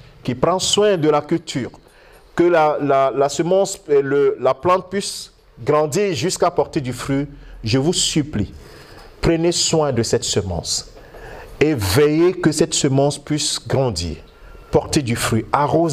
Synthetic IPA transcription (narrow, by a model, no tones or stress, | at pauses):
kʲipχɑ̃swɛ̃d̪əlakʲylt̪ʰyːʁ | kəlalalasəmɑ̃seləlaplɑ̃t̪̚pɥis | ɡʁɑ̃d̪iːʁʒyskapɔʁt̪ed̪yfχyʒəvusypli | pχəneswɛ̃d̪əsɛt̪səmɑ̰̃s | evɛjekəsɛt̪səmɑ̃spɥisɡʁɑ̃d̪ḭːʁ | pɔʁt̪ed̪yfχyaʁoz